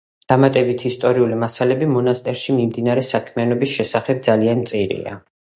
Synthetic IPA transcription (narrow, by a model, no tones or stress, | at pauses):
d̪̥amat̪ʼɛbit̪ʰist̪ʼɔɾiulimasalɛbimɔnast̪ʼɛɾʃimimd̪inaɾɛsakʰmianɔbisʃɛsaχɛb̚d̪zalianmt̪sʼiɾḭa̰